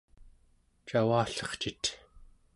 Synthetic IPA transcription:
t͡ʃawaːɬʌ̥χt͡ʃit̪

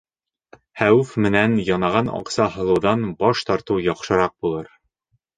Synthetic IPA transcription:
hæwfmɘ̆nænjɒnɑʁɑnɒ̰qsɑɦɤ̆lˠɤ̆wðɑnbɒʃt̪ɒɾt̪ɤwjɒqʃɤ̆ɾɑq̚bulˠɤɾ

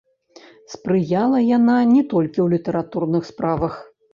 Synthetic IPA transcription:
spɾɨjalˠɐjananʲɛt̪ɔlʲkʲiwlʲit̪ɐɾat̪urnɨxspɾavɐx

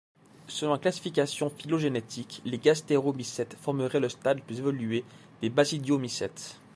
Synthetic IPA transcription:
səlɔ̃klasi̥fikasjɔ̃filoʒenet̪ʰikleɡast̪eʁomisɛt̪fɔʁməʁɛləst̪ad̪plyzevɔlye | d̪̥ebasid̪jomisɛt̪

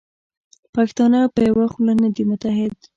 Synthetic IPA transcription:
pɑkɪ̥st̪ɑnəpəjawaxulanad̪imʊt̪aɦɪd̪

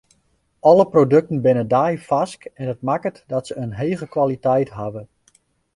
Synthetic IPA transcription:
ʔɔləprodɵk̚tən̩bɪnədajfaskɛnɦət̚makətdɔtsəənɦeːɣəkʋalitɛjtɦavə

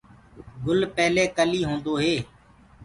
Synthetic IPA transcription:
ɡʊlpɛːleːkəliːɦõːnd̪oːɦeː

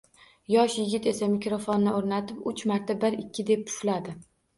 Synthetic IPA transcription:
jɒʃjɪɡʲɪt̪e̞samɪkʲɾofonːɪoɾnat̪ʰɪpʊt͡ʃmaɾt̪ʰabɪɾɪkʲʰːɪd̪e̞p̚pʰʊ̥flad̪ɪ

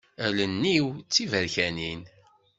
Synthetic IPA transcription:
ælənːiwt͡sːivəɾçænin

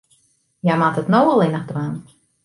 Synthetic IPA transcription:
jamatətnowəlˠɪnəχdraːn

